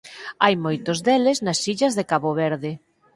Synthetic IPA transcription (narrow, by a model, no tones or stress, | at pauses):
ajmojt̪ozðelɪznɐsiʎɐzðekaβoβeɾðɪ